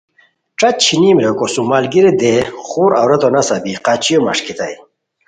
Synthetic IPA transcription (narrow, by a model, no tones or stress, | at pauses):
ʈ͡ʂɐt͡ɕʰinimɾekosumaːlɡiɾed̪eχuːɾa̰wɾɐt̪onɐsɐbiqat͡ɕijomɐ̰ʂkit̪ɐ̰j